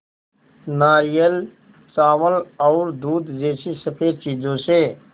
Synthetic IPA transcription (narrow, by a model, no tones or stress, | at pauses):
naːɾijəl | saːʋəlɔːɾd̪uːd̪d͡ʒeːsisəpʰeːɾt͡ʃiːd͡ʒõse